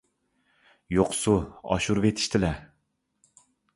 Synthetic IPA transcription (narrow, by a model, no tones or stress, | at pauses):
joqsuɑ̰ʃuɾvet̪ʰɪ̥ʃt̪ʰɪlɛ